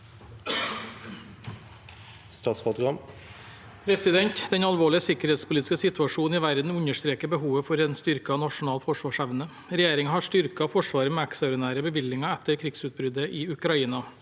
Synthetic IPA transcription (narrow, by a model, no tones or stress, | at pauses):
st̪ɑːt̪spɔt̪ɡɑm | pʰɾɛsɪd̪ɛnt̪d̪ɛnɑlʋoːɭɪəsɪkəɾheːt̪spʊlit̪ɪ̥skəsɪt̪ʉɑʂuːnn̩ɪːʋæɾd̪n̩ʉɲəʂt̪ɾeːkəɾbəɦuːʋəfɔɾɛnst̪ʏɾkɑnɑʂʊnɑːlfɔʂʋɑːʂæʋnə | ɾɛjeːɾɪŋhɑʂtʏɾkɑfɔʂʋɑːɾəmeːɛkst̪ɑʊɾɪnæːɾəbəʋɪlːɪŋɑɛt̪ːəɾkʰɾɪɡsʉːt̪̚bɾʏd̪əʔɪʉkɾɑiːnɑ